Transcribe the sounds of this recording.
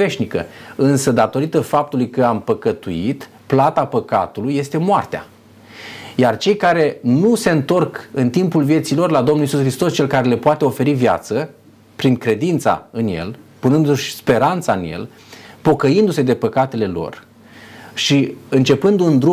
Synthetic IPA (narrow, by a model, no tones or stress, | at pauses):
ve̞ʃnikə̰ɨnsəd̪at̪o̞ɾit̪əfap̚t̪ulujkəampəkət̪uit̪ | plat̪apəka̰t̪ulujːe̞st̪e̞moart̪ea̰ | jart͡ʃe̞jkaɾe̞nuse̞ɨnt̪o̞rkɨnt̪impulvje̞t̪silo̞rlad̪o̞mnulisusxɾist̪o̞st͡ʃe̞lkaɾe̞le̞poat̪e̞o̞fe̞ɾivja̰t̪sə | pɾiŋkɾe̞d̪int̪sa̰ɨnje̞̰lpunɨnd̪uʃʲspe̞ɾant̪saɨnje̞̰l | po̞kəind̪use̞d̪e̞pəkat̪e̞le̞lo̞̰r | ʃiɨnt͡ʃe̞pɨnd̪und̪ɾu